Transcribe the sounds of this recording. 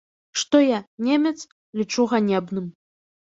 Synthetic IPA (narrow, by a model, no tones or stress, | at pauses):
ʂt̪ɔjanʲemʲɛt̪s | lʲit͡ʂuɣanʲɛbnɨm